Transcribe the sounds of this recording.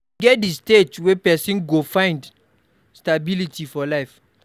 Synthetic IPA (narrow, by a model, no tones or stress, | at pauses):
ɡɛt̚distetwɛpɛsĩnɡofãɪ̃nd | stabilitʰifɔlaɪf